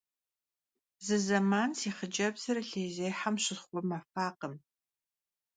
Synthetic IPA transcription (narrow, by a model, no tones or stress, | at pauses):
zɨzɐmaːnsiːχəd͡ʒɐbzɐɾɐɬeːjzejħamɕɪχʷɔmafaːqəm